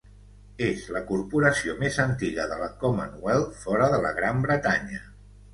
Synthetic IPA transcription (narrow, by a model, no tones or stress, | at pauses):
ezləkurpuɾəsiomezənt̪iɣəðələkɔmə̰nuɛlˠfɔɾəðələɣ̞ɾambɾət̪aɲə